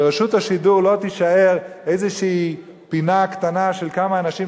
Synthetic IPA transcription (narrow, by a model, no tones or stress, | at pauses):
ʁaʃuthaʃiduʁlo̞t̪iʃaeʁejzeʃiː | pinakt̪anaʃelkamaːnaʃi